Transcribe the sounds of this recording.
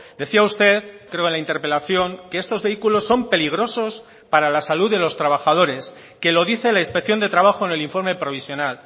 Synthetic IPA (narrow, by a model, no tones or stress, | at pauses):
d̪e̞θiaust̪e̞ðkɾe̞oenlaint̪e̞ɾpe̞laθjo̞ŋkeest̪o̞zβe̞ikulo̞sːo̞mpeliɣ̞ɾo̞so̞s | paɾalasaluðe̞lo̞st̪ɾaβ̞axaðo̞ɾe̞s | ke̞lo̞ðiθe̞lainspe̞kθjo̞nd̪e̞t̪ɾaβ̞axo̞ene̞liɱfo̞ɾme̞pɾo̞β̞isjonal